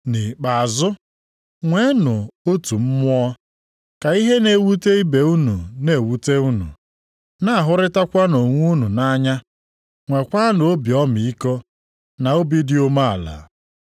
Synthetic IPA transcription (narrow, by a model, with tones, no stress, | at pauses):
ni˨k͡pa˨a˨zʊ˦ | ŋʷe˨˦nʊ˨o˦tu˨m̩˦mʊ˦ɔ˦ | ka˨i˦ɦe˦ne˨wu˦te˦i˦be˨u˦nṵ˨ne˨wu˦te˦u˦nṵ˨ | na˦a˨ɦʊ˦ɾɪ˦ta˦kʷa˦no˨ŋʷu˦nu˨na˦ɲa˦ | ŋʷe˨kʷa˦n˨o˦bi˨ɔ˦m˨i˦ko˦ | na˨o˦bi˦dɪ˦ʊ˦ma˦a̰˨la̰˨